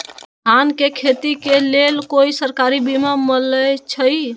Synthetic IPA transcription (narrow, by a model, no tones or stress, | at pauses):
ɦankekʰet̪ikelelkoisəɾkaɾibimamələt͡ʃʰəj